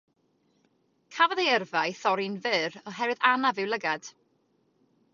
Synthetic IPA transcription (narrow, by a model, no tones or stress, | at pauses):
kʰavəðejɛrvajθɔɾinvɨːɾɔɦɛɾwɨðanavɨwlˠəɡad̥